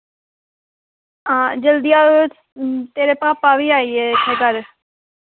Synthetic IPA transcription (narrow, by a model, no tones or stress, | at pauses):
ãːd͡ʒəld̪ijaː | t̪eːɾeːpaːpaːʋiːaːiːeːkʰeːkəɾ